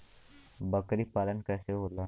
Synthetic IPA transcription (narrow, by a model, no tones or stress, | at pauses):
bəkɾipaːlənkəseɦola